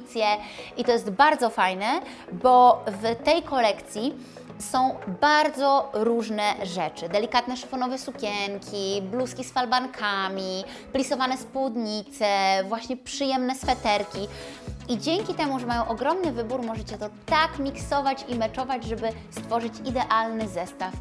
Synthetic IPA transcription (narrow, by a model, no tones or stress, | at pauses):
t̪sʲjɛit̪ɔjɛst̪baɾd̪zɔfajnɛ | bɔvt̪ɛjkʰɔlɛkt̪sʲji | sɔ̃w̃baɾd̪zɔɾuʐnɛʐɛt͡ʂɘd̪ɛlʲikat̪̚nɛʂfɔnɔvɛsukʲɛŋkʲʰibluskʲisfalbaŋkʰamʲi | plʲisɔvanɛspwud̪ɲit̪sɛvwaɕɲɛpʂɘjɛmnɛsfɛt̪ɛɾkʲiid͡ʑɛŋkʲit̪ɛmuʐɛmajɔ̃w̃ʔɔɡɾɔmnɘvɘbuɾmɔʐɛt͡ɕɛt̪ɔt̪akmʲiksɔvat͡ɕimɛt͡ʂɔvad͡ʑʐɛbɘst̪fɔʐɘt͡ɕid̪ɛʔalnɘzɛst̪af